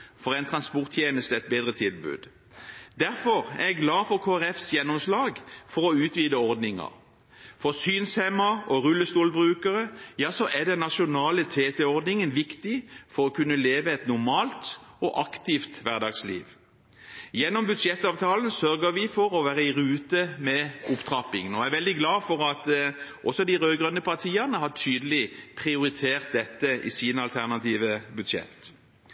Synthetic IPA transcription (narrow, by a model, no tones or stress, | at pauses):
fɔʁɛɪnt̪ʰɾɑnspɔʁt̪ʰjeːnəst̪əɛt̪̚beːd̪ʁət̪ʰɪlbʉ̰ːd̪ | d̪æʁfɔʁɛ̰ʁɛɡlɑːfɔʁkʰoːæʁɛfsjɛnːɔmslɑːɡfɔʁɔʉːt̪ʋiːd̪əɔʁd̪nɪŋɑ̰ʁ | fɔʁsyːnshɛmɑɔʁʉlːəst̪uːlbʁʉːkəʁəjɑːsɔʔæd̪ɛnːɑʃʊnɑːlət̪ʰeːt̪ɛɔʁd̪nɪŋənʋɪkt̪ɪfɔɾɔkʉnːəleːʋəɛt̪nʊʁmɑːlt̪ɔʔɑkt̪ɪft̪ʋæʁd̪ɑɡslḭːʋ | jɛnːɔmbʉd̪ʃjɛt̪ːɑːʋt̪ʰɑːln̩sœʁɡəʋɪfɔɾɔʋæːɾʁəɪʁʉːt̪əmɛʔʊpt̪ʰʁɑpɪŋnɔæʋɛld̪ɪɡlɑːfɔɾɑt̪ʔɔsɔd̪ɪʁøːɡʁœnːəpʰɑʁt̪ʰiːəʁnəɦɑʈʰyːd̪əlɪpʰʁɪʊɾɪt̪ʰeːʁt̪̚d̪ɛt̪ːəʔɪ̰siːnəɑlt̪ʰæʁnɑt̪iːʋəbʉd̪ʃjɛ̰t̪ː